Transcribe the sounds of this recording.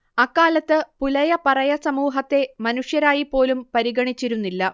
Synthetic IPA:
ɐkːaːlɐt̪ːɨpulɐjɐpɐrɐjɐsɐmuːɦɐt̪ːe̞mɐnuʂjɐɾaːjipːo̞ːlumpɐɾiɣɐɳit͡ɕːiɾunːilːɐ

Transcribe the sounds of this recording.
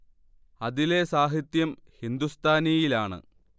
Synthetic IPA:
ɐðile̞saːɦit̪jɐmhind̪ust̪ʰaːnijilaːɳɨ̰

